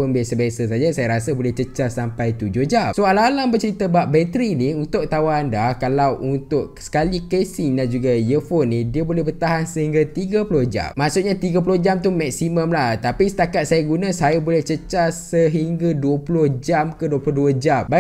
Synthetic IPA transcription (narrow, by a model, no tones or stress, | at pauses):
onbesabesasad͡ʒasajaɾasabolɛht͡ʃət͡ʃasampajt̪ud͡ʒʊhd͡ʒasoalalaŋbərt͡ʃəɾit̪abaʔ̚bɛt̪ɾiniunt̪ʊk̚t̪awaandakalawʔunt̪ʊʔsə̥kalikesiŋdand͡ʒuɡajəfonːidiabolɛhbərt̪aɦansəhiŋɡat̪iɡapulʊhd͡ʒa̰mːaʔsuʔ̚ɲãt̪iɡap̬ulohd͡ʒamt̪uhmɛk̚simə̃mlaht̪apisə̥t̪akat̪̚sajaɡunãsajabolɛht͡ʃət͡ʃasəɦiŋɡaduəpulʊhd͡ʒamkəduəpuloduad͡ʒamba